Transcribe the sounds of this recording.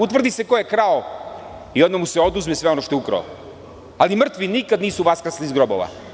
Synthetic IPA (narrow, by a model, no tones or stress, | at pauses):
ut̪ʋr̩d̪iseko̞jekɾao | io̞d̪mamuseo̞d̪uzmesʋe̞onoʃt̪oukɾa̰o̰ | alimr̩t̪ʋinikad̪niːsuʋaskr̩slizɡɾobo̰ʋa̰